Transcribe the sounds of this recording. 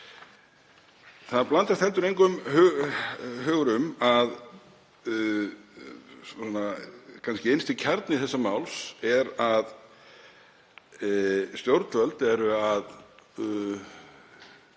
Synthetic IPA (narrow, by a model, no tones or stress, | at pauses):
θaðplant̪ast̪hɛlt̪ʏɾejŋkʏmh | hœːɣɾʏmað | ɔnakʰanscɪejnst̪ɪcʰaɾt̪nɪθɛsːamaːwlsɛɾað | st̪jowɾt̪vœlt̪ɛɾʏað